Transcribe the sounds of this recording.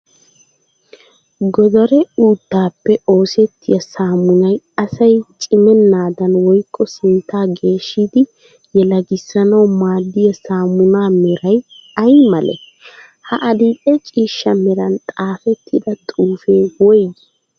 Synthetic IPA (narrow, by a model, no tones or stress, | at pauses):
ɡɔd̪ɔɾɛuːt̪ːaːpːɛo̞ːsɛt̪ʰːɪjɐsaːmːʊnɐj | ɐsɐjt͡ʃʼɪmɛnːaːd̪ɐnwɔjkʼːɔsɪnt̪ːaːɡe̞ːʃːɪd̪ɪ | jɛlɐɡɪsːɐnɐwmaːd̪ːɪjɐsaːmʊnaːmɛɾɐjɐjmɐlɛ̰ | hɐʔɐd̪iːkʼɛt͡ʃʼiːʃːɐmɛɾɐnt̪ʼaːfɛt̪ʰːɪd̪ɐt̪ʼuːfe̞ːwɔj